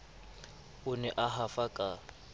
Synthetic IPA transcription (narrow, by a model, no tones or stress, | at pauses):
ʊnɛʔaɦafakʼa